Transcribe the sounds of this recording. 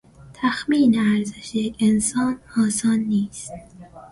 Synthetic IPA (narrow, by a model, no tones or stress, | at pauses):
t̪ʰæxmiːneæɾzeʃejekensɒːnɒːsɑːnːiːst̪̚